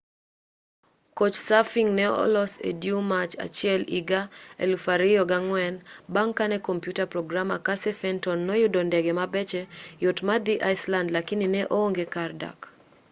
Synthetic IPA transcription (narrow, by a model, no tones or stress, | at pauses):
kot͡ʃsafiŋnɛɔ̰lɔsḛdjumat͡ʃa̰t͡ʃɪɛliɡaḛlufaɾɪjɔɡaŋwɛnbaŋkanɛkompjutapɾɔɡɾama̰kasɛfɛntɔnːɔjʊdondɛɡɛmabɛt͡ʃɛjotmad̪iʔaɪslandlakɪnɪnɛʔooŋɡekarda̰k